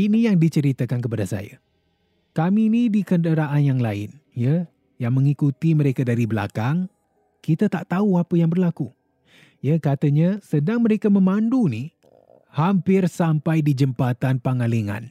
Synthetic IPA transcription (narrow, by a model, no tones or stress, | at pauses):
inijaŋdit͡ʃəɾit̪əkankəpadasa̰jə̰ | kaminidikəndəɾaʔanjaŋlaɪ̰njə | jaŋmə̃ŋikut̪iməɾekadaɾibəla̰kaŋ | kit̪ət̪aʔt̪auapəjaŋbərlaku | jəkat̪əɲəsədaŋməɾekamə̃manduni | hampɪrsampajdid͡ʒəmpat̪anpaŋaliŋã̰n